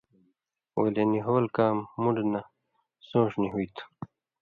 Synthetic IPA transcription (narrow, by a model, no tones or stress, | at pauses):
wo̰leniɦowlkaːmːuɳɖna | sõːʂniɦuit̪ʰ